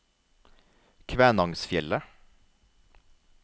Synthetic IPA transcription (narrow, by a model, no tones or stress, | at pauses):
kʰʋæːnɑŋsfjɛlə